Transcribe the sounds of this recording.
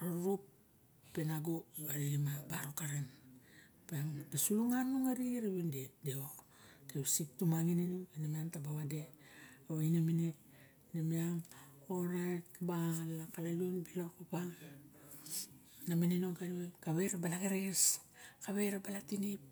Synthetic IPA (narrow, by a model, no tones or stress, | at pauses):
ɾaɾupː | enaɡoaɾiimabaɾokaɾan | peaŋdesuluŋanuŋaɾiɾaβindedeo | tewsittumaŋininuenamiaŋtabaβade̞aβainaminet | namiaŋoɾajtbalakalajonbilakopaŋ | namininokaɾiwekaβe̞ɾabalaɡaɾeskaβe̞ɾabalatinip̚